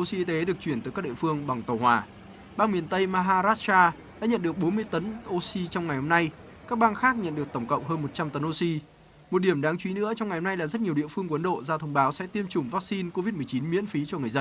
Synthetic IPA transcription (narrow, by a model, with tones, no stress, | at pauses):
o˧si˧ʔi˧t̪e˨˦ɗɨ˨˩ək̚t͡ɕwi˧˩ənt̪ːjkaː˦˥ɗḭ˧˨fɨ˧əŋɓa˨˩ŋt̪ə˨˩whwaː˨˩ | ɓaː˧nmi˨˩ənt̪ə˧jmaː˧ɦaː˧zaː˦˥t̚t͡ɕaː˧ | ɗa̰ː˧˥ɲə̰˧˨nɗɨ˨˩ək̚ɓo˨˦nmɨ˧əjt̪ə˨˦nʔo˧si˧t͡ɕɔ˧wŋ͡mŋa˨˩jho˧mna˧j | kaː˦˥k̚ɓaː˧nxaː˦˥k̚ɲə̰˧˨nɗɨ˨˩ək̚t̪ə˧˩wŋ͡mkə̰˧˨wŋ͡mɦəː˧nmo˨˩t̚t͡ɕa˧mt̪ə˨˦nʔo˧si˧ | mo˨˩t̚ɗi˧˩əmɗaː˨˦ŋt͡ɕwi˨˦nɨ̰˧˥ət͡ɕɔ˧wŋ͡mŋa˨˩jho˧na˧jlaː˨˩zə˦˥t̚ɲi˨˩əɗḭ˧˨əfɨ˧əŋkə˨˦nɗo̰˧˨zaː˧t̪ʰə˧wŋ͡mɓaː˨˦wsɛ̰˧˥t̪i˧əmt͡ɕʊ˨˩ŋ͡mvaː˦˥k̚si˧nko˧vi˦˥t̚mɨ˨ət͡ɕi˨˦nmḭ˧˥ənfi˨˦t͡ɕɔ˧ŋɨ˨˩əjzə˧n